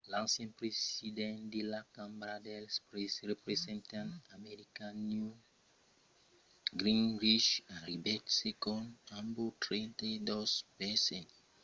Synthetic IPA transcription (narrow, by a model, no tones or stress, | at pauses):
lãnsjɛ̃npɾesidɛ̃nd̪ilakãmbɾad̪ɛlspɾesɾepɾesɛ̃nt̪ãnamɛɾikãnju | ɡɾĩnɾiʃãɾibɛtsekɔ̃nãmbut̪ɾĩnt̪ajdospɛsɛ̃n